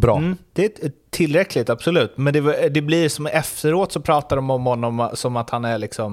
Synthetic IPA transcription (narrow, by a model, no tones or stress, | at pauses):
bɾɑ̰d̪̥ɛæt̪ʰɪlːɾɛkʰlɪt̪absɔlʉ̟ːt̪mɛnd̪ɛd̪ɛblɪɾsɔmɛft̪əɾoːt̪sɔpʰɾɑːt̪aɖɔmɔmhɔnːɔmsɔmat̪hanæɾɭɪksɔm